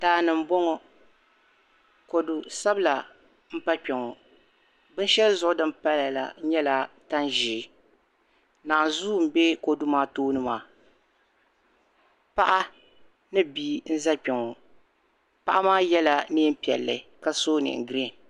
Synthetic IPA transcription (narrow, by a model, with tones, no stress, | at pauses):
taː˨nɨ˨m˨bɔ˦ŋɔ˨ | ko˨du˨sa˦bɨ˦la˨ | m̩˦pa˦k͡pɛ˨ŋɔ˨ | bɨ˦n˦ʃɛ˦lzʊ˦ʔʊ˦dɨ˦mpa˦la˨la̰˨˦ɲɛ˦la˨ta˦nʒi˨˦ | naː˨nzu˦m̩˦bɛ˦ko˨du˦maː˦toː˦nɨ˦maː˨ | pa˦ʔa˦ | nɨ˦biː˦n̩˦za˦pɛ˨ŋɔ˨ | pa˦ʔa˦maː˦jɛ˦la˨ni˦m̩˦pi˨ɛ̰˨lːɨ˨ka˦soː˦nɨ̰˨ŋ˨ɡɾi˦˨